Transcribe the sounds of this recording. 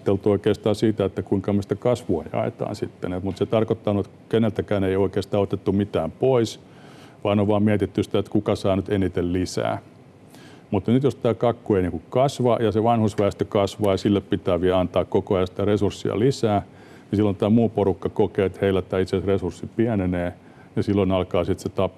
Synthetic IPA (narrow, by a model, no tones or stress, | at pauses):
t̪elt̪uoikeːst̪ɑːsiːt̪æet̪ːækuiŋkɑmesi̥t̪ækɑsʋuɑ̰jɑ̰ḛt̪ɑ̰ːnsit̪ːenemut̪set̪ɑrkot̪ːɑːnut̪ | kenelt̪ækæːneioikeːst̪ɑːot̪et̪ːumit̪æːmpois | ʋɑinoʋʋɑːmmiæt̪it̪ːysĭ̥t̪æet̪kukɑsɑːnyt̪enit̪ellisæ̰ː | mut̪ːnyt̪jost̪æːkɑkːueiniːŋkukkɑsʋɑjɑseʋɑnhusʋæist̪økɑsʋɑːjɑsilːeppit̪æːʋiæɑnt̪ɑːkkokoɑjɑsit̪æresursːḭɑ̰lisæː | nisilːont̪æːmuːporukːɑkokeːt̪heilæt̪ːæːit̪sesresursːipiæneneː | nesilːoinɑlkɑːsit̪set̪ɑpː